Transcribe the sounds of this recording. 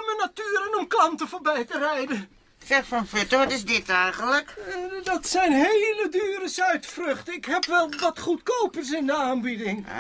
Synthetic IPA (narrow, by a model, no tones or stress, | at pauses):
mənatyːɾənɔmklɑntəvoːɹbɛjtərɛjdə | ksɛχfɔnfʏtəʋɑtɪsdɪtɛjχənləkdɑtsɛjnɦejlədyːrəsœɥtfrɵχtəɪkɦɛpʋɛlˠʋɑtχutkowpəɹs̬ɪndəaːnbidɪŋ